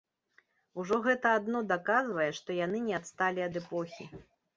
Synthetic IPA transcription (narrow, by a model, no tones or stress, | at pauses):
uʐɔɣɛt̪ɐːd̪nɔd̪akazvɐjɛʂt̪ɔjan̪ɨnʲɛat̪st̪alʲiɐd̪ɛpɔxʲi